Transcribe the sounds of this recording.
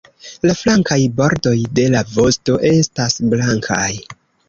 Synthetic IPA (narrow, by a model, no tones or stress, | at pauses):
laflaŋkajbo̞ɾdo̞jde̞lavo̞sto̞ʔe̞stasblaŋkʰaj